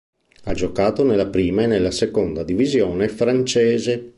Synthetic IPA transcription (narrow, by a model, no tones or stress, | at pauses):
ad͡ʒokaːt̪onelːapɾiːmaenːelːasekond̪ad̪ivizjɔːnefɾant͡ʃɛːze